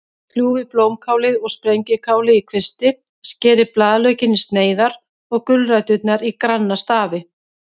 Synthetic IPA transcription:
kʰl̥juːvɪploːwmkʰaːwlɪðɔɣspɾejɲcɪkʰaːwlɪikʰvɪst̪ɪ | scɛːɾɪplaːðlœɥcɪnːɪst̪neːjðaɾ | ɔɣkʏlrajt̪ʏt̪naɾikɾanːast̪aːvɪ

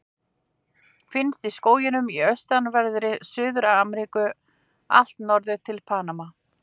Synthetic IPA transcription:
fɪnst̪iskoːwjɪnʏmiœɥst̪anvɛɾðɾɪsʏːðʏɾaamɾiːkʏ | a̰l̥t̪nɔɾðʏt̪ʰɪlpʰaːnama

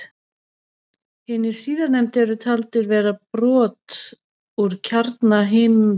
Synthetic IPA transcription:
hɪːnːɪɾ̥siːðaɾnɛjmt̪ɛɾʏt̪ʰalt̪ɪɾvɛːɾapɾɔːt̪ | uɾ̥cʰaɾt̪naɦeːjmʏ

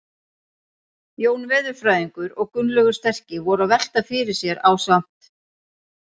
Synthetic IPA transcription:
joːwnvɪːðʏɾ̥fɾaːjðiŋkʏɾɔɣkʏnlœɣʏ̥st̪ɛr̥cɪvɔɾavɛl̥t̪afɪɾɪɾ̥sjɛɾaːwsam̥t̪

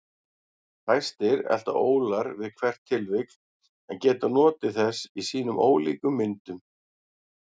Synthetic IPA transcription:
hajst̪ɪɾɛ̰l̥t̪a̰ʔoːwlaɾvɪðkʰvɛr̥t̪ʰːɪlvɪkl | ɛncɛːt̪anɔːt̪ɪθɛsːisiːnʏmʔoːwlḭːkʏmːɪnt̪ʏm

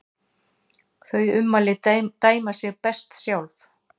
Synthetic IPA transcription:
θœɥʏmːalɪt̪aːjmasjɛɣpɛst̪sjawlf

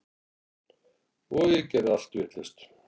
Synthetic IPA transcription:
ɔjɛcɛðal̥t̪vɪht̪lɛst̪

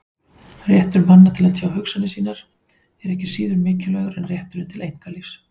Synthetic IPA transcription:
rjɛht̪ʏɾmanːat̪ʰɪlaðsjaːwhʏksanɪsiːnaɾ̥ | ɛɾɛhcɪsiːðʏɾmɪːcɪlœɣɾɛnrjɛht̪ʏɾɪnt̪ʰɪlejŋ̥kalis

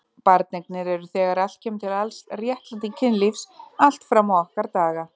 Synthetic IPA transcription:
paɾt̪̚nɛknɪɾɛɾʏθɛːɣaɾal̥t̪̚cʰɛːmt̪ʰɪlalsrjɛht̪lant̪iŋcʰɪnlifsal̥t̪fɾamːawahkaɾt̪aːɣa

